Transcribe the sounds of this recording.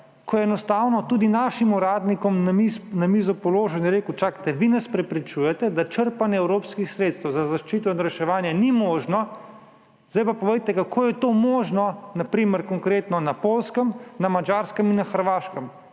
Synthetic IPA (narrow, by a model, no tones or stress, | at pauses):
kʰɔjɛɛnɔst̪aːwnɔt̪ud̪inaːʃimuɾaːd̪nikɔmnaminamizɔpɔloːʒɛnɛɾeːkut͡ʃakt̪ɛʋinaspɾɛpɾit͡ʃujɛt̪ɛd̪at͡ʃəɾpanjɛɛwɾoːpskixsɾeːt̪st̪ɛwzazaʃt͡ʃit̪̬ɔnɾɛʃɛʋaːnjanimoːʒnɔ | zd̪ajpapɔʋejt̪ɛkakʰoːjɛt̪omoːʒnɔnapɾiːməɾkɔŋkɾeːt̪nɔnapoːlskəmnamad͡ʒaːɾskəminːaxəɾʋaːʃkəm